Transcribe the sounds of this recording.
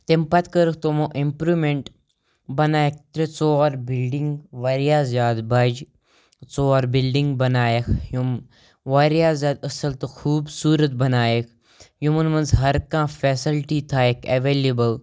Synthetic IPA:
t̪empɐt̪kəɾəkt̪omõːʔimpɾuːmeɳʈ | bɐnaːjek̚ʰt̪ɾet͡soːaɾbilɖiŋɡʋaɾijaːzjaːd̪bɐd͡ʒ | t͡soːaːɾbilɖiŋɡbɐnaːjekʰjum | ʋaɾjaːzjaːd̪ɐsɐlt̪ɨxʰuːbsuːɾət̪̚bɐnaːjekʰ | jumunmɐnzɦɐɾkãːfeːsilʈit̪ʰaːekʰɐʋeːlebəl

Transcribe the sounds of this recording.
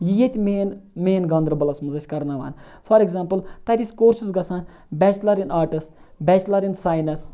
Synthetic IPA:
jijet̪ʲmeːnmeːnɡɐ̃nd̪ɾɐbɐlɐsmɐzɐʃʲkɐɾnaʋa̰ːn | fʰɐɾeɡzaːmpɨlt̪ɐt̪ʲisʲkoːɾsisɡɐsãːn | bʲɛːt͡ʃlɐɾinaːɾʈɨst̪ | bʲɛːt͡ʃlɐɾinsaːjnɐs

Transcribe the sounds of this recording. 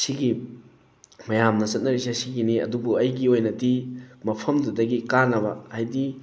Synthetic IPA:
siɡi | mɐjamnɐt͡ʃɐt̚nɐɾisɐsiɡiniɐ̰dubuɐjɡiojnɐtimɐpʰɐmdudɐɡikanɐbɐ̰hajdi

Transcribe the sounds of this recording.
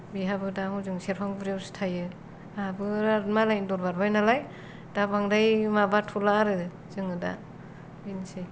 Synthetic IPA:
biɦabɯdamuzɯŋseɾpʰaŋbɾewstʰajɯ | abɯɾaɾtmalajndɔɾbaɾbajnalaj | d̥abaŋdajmabatʰulaɾɯ | zɯŋɯda̰ | binse

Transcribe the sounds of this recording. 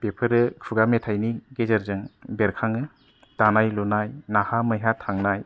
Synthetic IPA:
bepʰɯɾɯkʰuɡametʰajniɡezɐɾzɯŋbeɾkʰaŋɯ | d̥anajlunajnahamɯjɦatʰaŋnaj

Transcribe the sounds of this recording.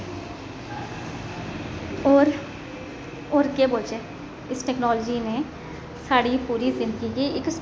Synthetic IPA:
ɾ | oːɾkeboːlt͡ʃeː | ɪsʈɛːknɔːld͡ʒine | saːɽipuːɾizɪ̃nd̪əɡikiɪks

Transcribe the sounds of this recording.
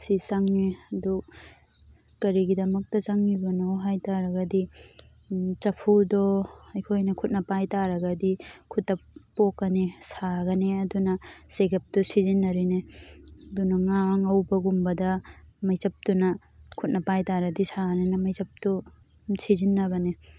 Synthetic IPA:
sisaŋniɐdu | kɐɾiɡidɐmɐk̚tɐt͡ʃaŋnibɐnowɦajtaɾɐɡɐdi | t͡ʃɐpʰudɔɐjkʰojnɐkʰut̚nɐpajtaɾɐɡɐdikʰutːɐpːokːɐnisaɡɐneɐdunɐseɡɐp̚tusizinːɐɾineɐdunɐŋaŋɐwbɐɡumbɐdɐmɐjt͡ʃɐp̚tunɐ | kʰut̚nɐpajtaɾɐdisaɡɐnenɐmɐjzɐp̚tu | sʰizinːɐβɐne

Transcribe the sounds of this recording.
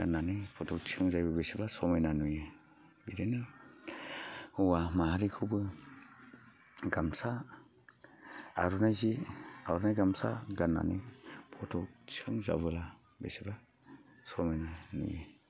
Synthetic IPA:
ɡanːanipʰɔtʰɔk̚t͡ʃʰiaŋzajbɯbesibasɔmejnanuje | bideni | hɔwamaɦaɾikʰubɯ | ɡamsa | ɾunajziaɾunajɡamsa̰ɡanːa̰nipʰɔtʰɔk̚t͡ʃʰi̥kʰɯŋza̰βɯla | bḛsiba | sɔmajnanṵje

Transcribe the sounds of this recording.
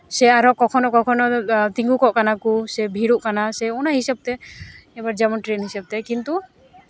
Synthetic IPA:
sɛaɾɔʔkɔkʰɔnɔkɔkʰɔnɔt̪iŋɡukɔʔkanakusɛbʱiɽuʔkanasɛɔnaɦisɛb̚t̪ɛɛbaɾd͡ʒamɔnʈɾenɦisɛb̚t̪ɛkint̪u

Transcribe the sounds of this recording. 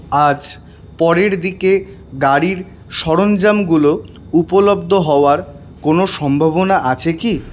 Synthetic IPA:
ad͡ʑ | pɔɾeɾd̪ike | ɡaɾiɾ | ʃɔɾond͡ʑamɡulo | upolobd̪ʱoɦɔoaɾ | konoʃɔmbʱaβonaʔat͡ɕʰeki

